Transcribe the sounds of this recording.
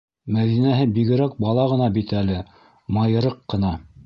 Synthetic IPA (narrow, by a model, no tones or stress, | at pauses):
mæðinæɦɘbiɣɘ̆ɾæk̚bɑlˠɑʁɤ̆nɑbit̪ælɘ | mɑjɤ̆ɾɤqːɤ̆nɑ